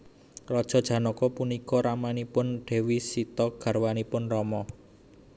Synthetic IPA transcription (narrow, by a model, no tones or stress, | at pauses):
rɔd̥ʒ̥ɔ̤d̥ʒ̥ä̤nɔkɔpunikɔɾamanipʊnɖ̥e̤wisit̪ɔɡ̥a̤rwanipʊnrɔmɔ